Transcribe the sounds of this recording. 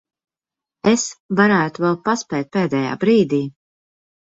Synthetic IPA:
esvaɾæːt̪uvɛlˠpaspɛːt̪̚peːd̪ɛːja̰ːbɾiːd̪iː

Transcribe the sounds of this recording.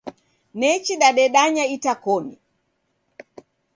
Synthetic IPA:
nɛt͡ʃiɗaɗɛɗaɲaitakɔnḭ

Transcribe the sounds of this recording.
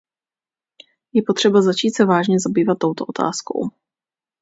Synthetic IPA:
jɛpot̪r̝̥ɛbazat͡ʃiːt̪sɛvaːʒɲɛzabiːvat̪ːo̞wt̪oʔot̪ʰa̰ːsko̰w

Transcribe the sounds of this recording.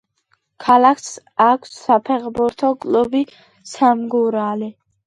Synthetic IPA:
kʰalakʰs | akʰsːapʰɛχbuɾt̪ʰɔkʼlubi | samɡuɾali

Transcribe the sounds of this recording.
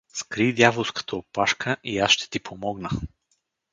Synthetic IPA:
skɾid̪javolˠskə̥t̪əopaʃkʰəʔiasʃt̪ɛ̥t̪ipʰomɔɡnə

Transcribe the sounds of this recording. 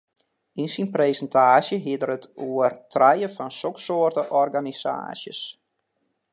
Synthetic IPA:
insinpreːsəntʰaːsjəɦiədərətʰuərtʰrɛjəfɔnsoksoərtəʔɔrɡanisa̰ːsjə̰s

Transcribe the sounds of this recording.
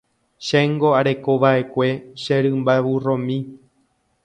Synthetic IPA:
ʃeŋɡo̞aɾe̞ko̞ʋaʔe̞kʷe̞ʃẽɾɨ̃mbaʋurõmĩ

